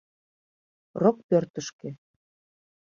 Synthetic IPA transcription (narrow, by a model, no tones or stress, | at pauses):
rok̚pørt̪ə̆ʃkĕ